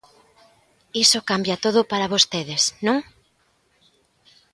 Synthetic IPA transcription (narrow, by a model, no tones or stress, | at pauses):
isokambjɐt̪oðʊpaɾaβost̪eðɪsnõŋ